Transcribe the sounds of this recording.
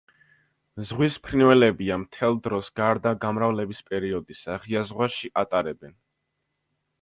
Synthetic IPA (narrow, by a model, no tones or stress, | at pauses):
zʁwispʰɾinvɛlɛbiamt̪ʰɛlˠd̪ɾɔsɡ̥aɾd̪aɡamɾavlɛbispʼɛɾiɔd̪isaʁiazʁwaʃiʔat̪ʼaɾɛbɛn